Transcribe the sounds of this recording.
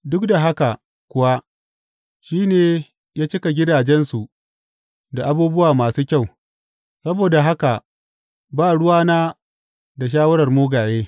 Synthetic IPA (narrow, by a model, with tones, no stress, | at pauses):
dʊ˦kda˨ɦa˦ka˨ | kʷʊ˨wa˦ʔ | ʃiː˦neː˨ | jaː˦t͡ʃɪ˦ka˨ɡʲɪ˦daː˨d͡ʒɛ˦nsu˨ | da˨ʔa˦buː˦bʊ˦waː˨maː˨suː˦kʲa˦˨w | sɐ˦boː˨da˨ɦa˦ka˨ʔ | baː˦˨ɽʊ˦waː˦naː˦ | da˨ʃ̬aː˦wɐ˦ɽɐ˨rmoː˦ɡaː˨jeː˦